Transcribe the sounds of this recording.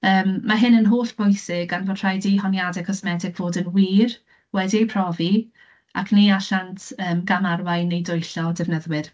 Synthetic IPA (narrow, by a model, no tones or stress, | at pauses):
əːmːaɦɨnənɦoːɬb̥ʊjsɪɡanvɔdʰr̥ajdiɦɔnjadɛkʰɔsmɛdɪkv̥oːdənwiːr | wɛdipʰr̥ɔvi | a̰kʰniaɬantʰəːmɡamarwajnejdʊjɬɔdɛvnəðwɪr